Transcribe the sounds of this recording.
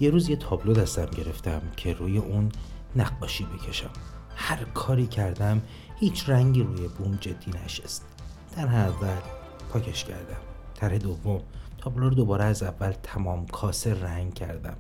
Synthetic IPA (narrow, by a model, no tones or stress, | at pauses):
jeɾuːzjet̪ʰɒːblod̪æst̪æmɟe̞ɾe̞ft̪æmcʰe̞ɾuːje̞ʔunːæɡːɒːʃiːbecʰe̞ʃæmhæɾkʰɒːɾiːcʰæɾd̪æm | hiːt͡ʃʰræŋɟiːɾuːjebumd͡ʒe̞d̪̥ːiːnæʃest̪t̪ʰæɾɦeævːæl | pʰɒːcʰeʃcʰæ̰ɾd̪æmt̪ʰæɾhe̞d̪ovːomt̪ʰɒːbloɾod̪o̞bɒːɾeæzævːælt̪ʰæmɒːmkʰɒːseræŋɡcʰæ̰ɾd̪æ̰m